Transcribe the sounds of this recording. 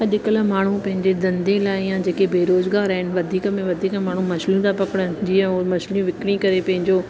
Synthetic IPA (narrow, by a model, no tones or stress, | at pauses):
ɐʄɪkələmaːɳ̤upɐ̃ɦɪ̃ɲd͡ʑed̪ɐ̃nd̪ʱẽlaːɪjãd͡ʑeːkebeːɾoːzɡaːɾaɦɪnɪ̆ʋɐd̪ʱiːkəmẽʋɐd̪ʱiːkmẽmaːɳ̤umɐslĩt̪apɐkəɽ̃əd͡ʑiːə̃mɐʃlĩʋɪkɽ̃ĩkɐɾepɐ̃ɦɪ̃ɲd͡ʑoː